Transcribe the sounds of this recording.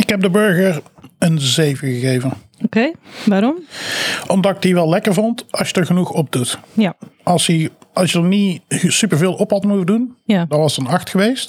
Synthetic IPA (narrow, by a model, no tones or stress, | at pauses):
ɪkɦɛb̚dəbɵɹɣəɹənzejvəɣəɣejvən | okejʋaɾɔmʔɔmdɑtɪk̚diʋɛlˠɛkəɹvɔntɑlˠsjədəɹɣənuxɔb̚dut | ʔɑlˠsjəʔɑlˠsjənisypəɹveːlˠʔɔphɑtmuvdunadɑnʋɑsdɑnɑxtxəʋejst